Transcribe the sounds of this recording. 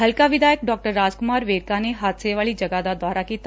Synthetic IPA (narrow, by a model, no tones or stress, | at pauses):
ɦəlkaʋɪd̪aːjək̚ɖɔːk̚ʈəɾːaːd͡ʒkʊmaːɾʋeːɖkaneɦaːt̪seʋaːlid͡ʒɐɡad̪ad̪aːɾakiːt̪ː